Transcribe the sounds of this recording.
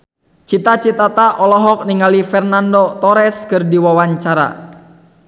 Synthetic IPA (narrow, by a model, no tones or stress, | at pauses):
t͡ʃit̪at͡ʃit̪at̪aʔɔlɔɦɔk̚niŋalifɛrnandɔt̪ɔɾɛskɨrdiwawaɲt͡ʃaɾa̰